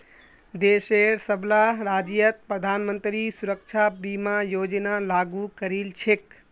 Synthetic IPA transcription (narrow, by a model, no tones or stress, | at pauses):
d̪eseɾsəblaɾad͡ʒijət̪̚pɾəd̪ʱanmənt̪ɾisuɾək̚t͡ʃʰabimajod͡ʒənalaɡukəɾilt͡ʃʰek